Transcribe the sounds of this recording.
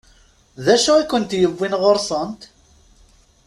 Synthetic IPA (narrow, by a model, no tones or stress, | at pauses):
ðæʃæækːənt̪jəvːinʁoɾˤsˤənt̪